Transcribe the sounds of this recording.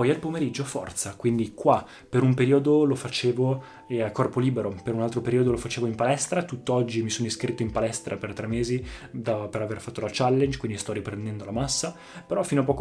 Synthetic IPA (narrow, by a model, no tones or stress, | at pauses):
pɔjalpomeɾid͡ʒːofɔ̰rt̪sakwind̪ikwa | peɾumpeɾiːod̪olofat͡ʃeːvo | akːɔrpoliːbeɾopeɾunalt̪ɾopeɾiod̪olofat͡ʃeːvoimpalɛst̪ɾat̪ut̪ːoɔd͡ʒːimisoːnoiskɾit̪ːoimpalɛst̪ɾa̰pert̪ɾɛmːeːzid̪apeɾaverfat̪ːolat͡ʃalːend͡ʒkwind̪ist̪ɔrːipɾend̪ɛnd̪olamasːa | peɾɔfinoapːɔːk